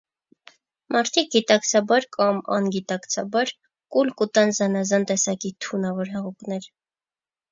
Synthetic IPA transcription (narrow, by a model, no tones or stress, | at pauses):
mɑɾt̪ʰik̚ɡit̪ɑkt͡sʰɑbɑɾkɑmɑ̰nɡit̪ɑkt͡sʰɑbɑɾ | kulkut̪ɑnzɑnɑzɑnt̪ɛsɑkit̪ʰunɑvɔɾɦɛʁuknɛɾ